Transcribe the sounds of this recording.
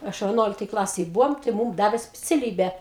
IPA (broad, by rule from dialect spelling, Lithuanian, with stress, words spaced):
ˈɐʃ ʋʲɛˈnuɔlʲɪktoːj ˈklˠɑːsʲeːj ˈbʊʋoːm tɐɪ ˈmuːm ˈdɑːʋʲeː sʲpʲɪt͡sʲɛˈlʲiːbʲæː